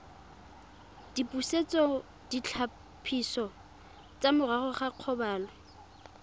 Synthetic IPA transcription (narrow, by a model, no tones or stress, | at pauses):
d̥ipʼuset͡sʼɔ | d̥it͡ɬʰa | pʰisɔ | t͡sʼamʊraχɔχaq͡χʰɔbaːlɔ